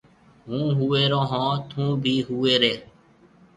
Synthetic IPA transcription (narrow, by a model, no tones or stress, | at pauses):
ɦũːɦueːɾõːɦãːt̪ʰũːbʱiːɦuːeːɾeː